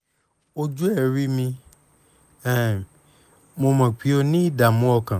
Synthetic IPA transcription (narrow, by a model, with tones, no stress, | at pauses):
o˦d͡ʒu˦ɛ˦˨ɾi˦mĩ˧ | ɛ˦˨ | mo˧mã˨k͡pi˨˦o˧nĩ˦i˦˨da˨mũ˦ɔ˧kã˨